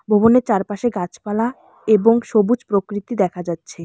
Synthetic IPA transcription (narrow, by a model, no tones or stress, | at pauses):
bʱoboneɾt͡ɕaɾpaʃeɡat͡ɕpala | eboŋʃobud͡ʑpɾokɾit̪id̪ɛkʰad͡ʑatːɕʰe